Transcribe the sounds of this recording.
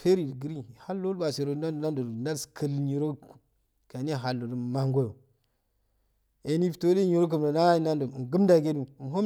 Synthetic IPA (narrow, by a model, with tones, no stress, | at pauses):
fe˦ɾi˨dɡə˦ɾi˦ha˦lːo˦lba˨se˨ɾo˨˦a˦dna˦ndo˨dna˦lskʰə˦˨lɲi˨ɾo˦˨ | ka˨n˦e˦˨ɦa˨lːo˨du˨ma˦ŋɡo˦jo˨ | e˨ni˦fto˦de˦ɲi˨ɾo˦k̬ə˨m˨do˨na˦a˦i˦na˦ndo˨ŋ˨ɡə˦mda˨ɡe˦nu˦˨m˨ɦo˦